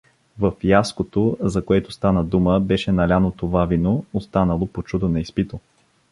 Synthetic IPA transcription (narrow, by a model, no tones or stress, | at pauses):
vəfjaskot̪ozɐkoɛt̪ost̪anəd̪uməbɛʃɛnɐlʲanot̪ovavinoːst̪anəlˠopot͡ʃud̪onɐispit̪o